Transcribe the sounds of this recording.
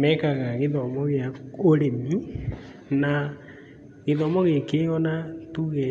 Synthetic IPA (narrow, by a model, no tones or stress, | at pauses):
mɛkaɣaɣeðɔmɔɣeaoɾemi | na | ɣeðɔmɔɣekeɔnatuɣe